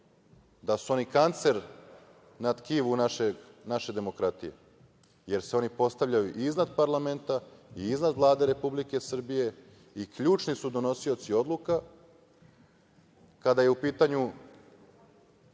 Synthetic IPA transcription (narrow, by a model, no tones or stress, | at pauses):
d̪asuo̞nikant̪se̞ɾ | nat̪kiʋunaʃeɡnaʃe̞d̪e̞mo̞kɾat̪ije̞̰ | je̞ɾseo̞nipo̞st̪avʎʲajuʔiznad̪paɾlame̞nt̪aiiznad̪ʋlˠaːd̪e̞ɾe̞publike̞sr̩bije̞ | ikʎuːt͡ʃnisud̪o̞no̞sio̞t̪sio̞d̪lˠuka | kad̪aje̞upiːt̪aɲu